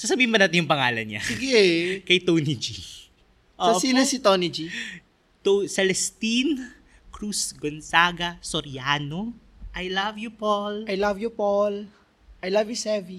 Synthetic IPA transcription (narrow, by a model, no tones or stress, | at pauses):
sɐs̬ɐbiːhɪnbɐnaːt̪ɪnjʊŋpɐŋaːlɐnɲa̰siɡɛkɐjt̪ownid͡ʒi | ʔoosinɐsit̪onid͡ʒi | t̪osɛlɛst̪in | kɾusɡonsaɡɐsoɾɪjaːno | ʔɐjlɐvjupolɐjlavjupol | ʔɐjlavisɛvi